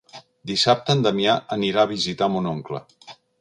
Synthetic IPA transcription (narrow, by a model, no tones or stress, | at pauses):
d̪isap̚t̪ənd̪əmiaʔəniɾaːβ̞izit̪amunoŋklə̰